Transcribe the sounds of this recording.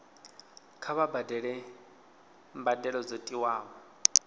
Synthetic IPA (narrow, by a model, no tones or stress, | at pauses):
kʰaβabadɛɺɛ | mbadɛɺɔd͡zotʼiwaːβɔ